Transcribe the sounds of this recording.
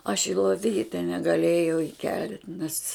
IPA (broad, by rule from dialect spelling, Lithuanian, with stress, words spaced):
ɐʃ ɪ lˠoːˈʋʲiːtʲɛ nʲɛɡɐˈlʲeːjɛʊ ɪˈkʲɛlʲtʲ nʲɛs